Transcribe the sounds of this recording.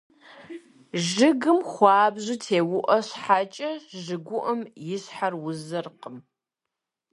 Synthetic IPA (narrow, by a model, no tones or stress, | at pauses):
ʒɨɡɨmχʷɑːbʑɪtʰeːwʊʔɐɕħat͡ʃʼɐʒɨɡʷʊʔɐmjɪɕħarwʊzɐrqəm